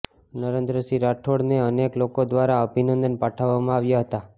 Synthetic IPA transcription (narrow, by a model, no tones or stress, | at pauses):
nəɾẽnd̪ɾəsiɾaʈʰoɽneəneklokod̪ʋaɾaəbʱinənd̪ənpaʈʰaʋːamãaʋjaɦət̪a